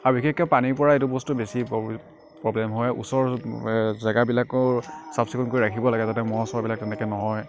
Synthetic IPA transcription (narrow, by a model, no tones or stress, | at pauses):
aɹbixekkɛpaniɹpɔɹaetʊbɔstubesi | pɹɔblɛmɦɔjṵsɔɹ | zaɡabilakɔsapsikʰɔnkoɹiɹakʰibɔlaɡɛzatɛmɔɦɔsɔbabilak̚tɛnɛkɛnɔɦɔj